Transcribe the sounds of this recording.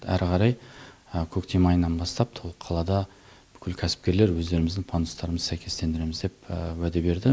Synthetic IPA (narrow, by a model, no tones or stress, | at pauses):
æɾʁɑɾɑjəkʲʰɵkt̪e̞mɑjənːɑnbɑst̪ɑpt̪ʰolˠqʰɑlˠɑd̪ɑ | b̥ʏ̥kʲʰɪlkʲʰæsɪ̥p̚kʲe̞ɾle̞ɾwɵzd̪e̞ɾɪmɪzd̪ɪŋpʰɑnd̪ust̪ɑɾəməzsæjkʲʰe̞st̪e̞nd̪ɪɾe̞mɪzd̪e̞pwæd̪e̞be̞ɾd̪ɪ